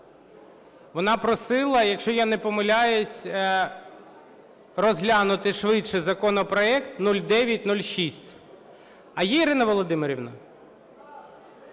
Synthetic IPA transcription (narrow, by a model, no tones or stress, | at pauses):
ʋɔnɑpɾɔsɪlˠɐjɐkʃt͡ʃɔjanɛpɔmɐlʲajʊsʲ | rɔzɦlʲanʊt̪ɪʃʋɪtʃɪzɐkɔnɔpɾɔɛkt̪nulʲd̪ɛʋʲjɐt̚ʲnulʲʃisʲtʲ | ɐjɛiɾɪnɐʋɔlˠɔd̪ɪmɪɾʲiʋnɐ̰